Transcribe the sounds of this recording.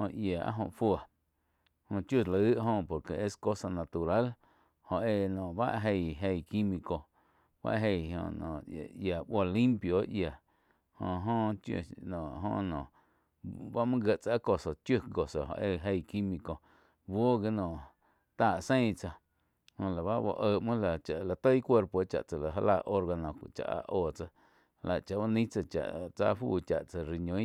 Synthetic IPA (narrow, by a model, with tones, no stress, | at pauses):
hõ˧ʔja˨a̰˦ɦõ̰˧˨ʔfwə˨ | hõ˧t͡ʃju˧˨lə˨ɨ˦ʔɦõ˧po˨ɾke˨e˦sko˦sa˧na˧t̪u˨ɾa˦l | hõ˧ʔe˧nɔ̃ː˨ba̰˦ʔɦe˧jɦe˧˨jki˦mĩ˧ko˧ | ba̰˦ʔɦe˧˨jõ̰˧nɔ̰̃˨ja˨bo˧˨lĩ˦mpjo˨˦ʔja˨ | hõ̰˧˨ɦõ˧t͡ʃjṵ˧˨nɔ̃˨ʔɦõ̰ː˧˨ʔnɔ̰̃˨ | ba˦mã˦ɡə˧ʔt͡sa˧˦ko˧˨so˨t͡ʃju˦ɡo˨so˨ho̰˨ʔe˧ɦe˧jki˦mĩ˧ko˧ | bo˦ɡe˦nɔ̃˨ | t̪aː˧˨ʔsẽ˦jt͡sa˧ | hõ˧˨la˨βa˦bo̰˧ʔəː˧˨ʔmɨ̃˦la˨t͡ʃa˨ʔla˨t̪ə˦jkʷe˦˧ɾpo˧˨˦t͡ʃa̰˨ʔt͡sa˨la˨ɦa˧laː˧˨ʔo˦ɾɡa˧nõ̰˨t͡ʃa̰˧˨ʔa̰˧ʔoː˨t͡sa˧ | la˨t͡ʃa˨ba˦nĩ˦t͡sa˧t͡ʃa̰˨ʔt͡saː˧fṵː˧˨t͡ʃa˨ʔt͡sa˧ɾi˧ɲõ˨˧˦